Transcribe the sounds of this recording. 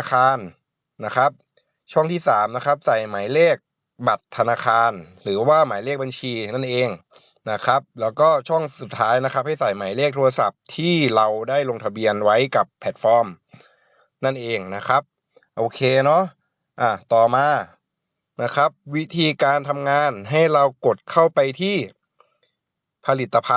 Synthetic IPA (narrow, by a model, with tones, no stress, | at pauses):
a˧kʰaː˧nː | a˦˥kʰa˦˥p̚ | t͡ɕʰɔ˥˩ŋt̪ʰiː˥˩saː˩˦mna˦˥kʰa˦˥p̚sa˨˩jmaː˩˦jleː˥˩k̚ | ba˨˩t̪ʰːa˧naː˧xʰaː˧nɾɯː˩˦waː˥˩maː˩˦jleː˥˩k̚ba˧nt͡ɕʰiː˧na˥˩nʔeː˧ŋ | na˦˥kʰɾa˦˥p̚lɛː˦˥wkɔː˥˩t͡ɕʰɔ˥˩ŋsu˨˩t̪ʰːaː˦˥jna˦˥kʰa˦˥p̚ha˥˩jsa˨˩jma˩˦jleː˥˩k̚t̪ʰu˧a˧sa˨˩p̚t̪ʰiː˥˩ɾa˧wdaː˥˩jlo˧ŋt̪ʰa˧bi˧ənwa˦˥jka˨˩pʰːɛː˨˩t̪̚fɔː˧˥m | na˥˩nʔeː˧ŋna˦˥kʰɾa˦˥p̚ | ʔoː˧kʰeː˧nɔ˦˥ʔ | ʔa˧˩t̪ɔː˨˩maː˧ | na˦˥kʰɾa˦˥p̚wi˦˥t̪ʰiː˧kaː˧nt̪ʰa˧mŋaː˧nɦa˥˩jɾa˧wko˨˩t̪̚kʰa˥˩wpa˧jt̪ʰiː˥˩ | pʰa˧li˨˩t̪ːa˧pʰa˧